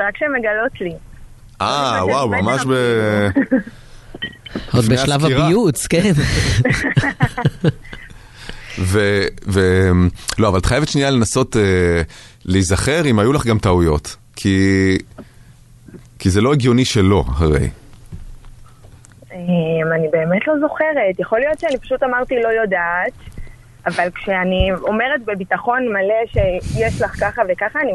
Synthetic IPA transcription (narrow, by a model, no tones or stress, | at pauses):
akʃemeɡalot̪li | ʔawawmamaʃbe | od̪beʃalavaʁbiut͡sken | vevemlo̞avalt̪χajevetʃniale̞naso̞te | liːzaχe̞ʁimajulaχɡamt̪aujo̞t̪ | kʰi | kizeloeɡjo̞niʃe̞lo̞̰a̰haʁe̞̰j | emanibe̞ːmetlo̞zo̞χeʁe̞tjaχo̞lijo̞tʃeanipḁʃutamaʁt̪ilo̞jo̞daːt̪ | avalkʃeanio̞meʁetbebitaχo̞nmaleʃejeʃlaχkaχavekaχaːni